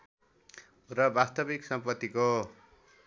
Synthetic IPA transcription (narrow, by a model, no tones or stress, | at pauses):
rʌbast̪ʌbiksʌmpʌt̪ːiko